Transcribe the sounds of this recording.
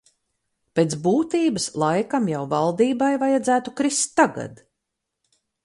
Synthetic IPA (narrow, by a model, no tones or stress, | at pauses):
peːt̪sbuːt̪iːbɨslˠajkamjawvalˠd̪iːbajvajad̪zæːt̪ukɾist̪ːaɡa̰d̪̥